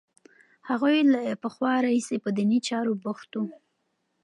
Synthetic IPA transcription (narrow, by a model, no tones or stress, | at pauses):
haɣujlapəxwɑɾahisepəd̪init͡ʃɑɾobʊxt̪u